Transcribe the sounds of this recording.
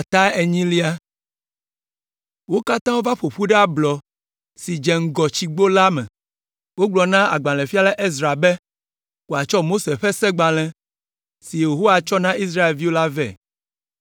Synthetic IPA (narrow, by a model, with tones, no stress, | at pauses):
a˨t̪a˦e˨ɲĩ˦li˦a˦ | wo˦ka˦t̪ã˦wo˦va˦ɸo˨ɸu˦ɖɛ˦a˦blɔ˨ | si˨d͡ʒɛ˨ŋ̩˦ɡɔ˨t͡ɕi˨ɡ͡bo˦la˦mɛ̰̃˨ | wo˦ɡ͡blɔ˨nã˦a̰˨ɡ͡bã˨lɛ̃˨fi˦a˦lɛ˦ʔe˦zɾa˨bɛ˦ | wo˨a˨t͡ʃɔ˦mo˦se˨ɸɛ˦sɛ˦ɡ͡bã˨l̃ɛ̃˨ | si˨je˨ɦo˦wa˨t͡ʃɔ˦nã˦ʔi˦s̬ɾa˦e˨lvi˦wo˦la˦vɛ̰˦˨